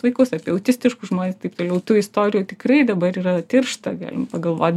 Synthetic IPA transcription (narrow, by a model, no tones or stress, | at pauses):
ʋɐɪkɐʊsɑːpʲiɛɐʊt̪ʲɪsʲt̪ʲɪʃkuʒmoːnʲeːst̪ɐɪpt̪oːlʲɛʊt̪uɪst̪oːɾʲɪjuːt̪ʲɪkrɐɪd̪ɐbɐɾiːɾɐt̪ʲɪrʃt̪ɐɡɑ̰ːlʲɪ̰mpɐɡɐlˠʋo̰ːt̪ʲ